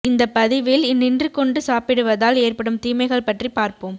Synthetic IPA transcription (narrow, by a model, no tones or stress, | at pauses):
ɪnd̪ɐpːɐðɪʋɪlɪnːɪndrɯkːɔɳɖɯsaːpɪɽɯʋɐðaːleːrpɐɽɯmt̪iːmɐɪɣɐɭpɐʈripaːɾpɯm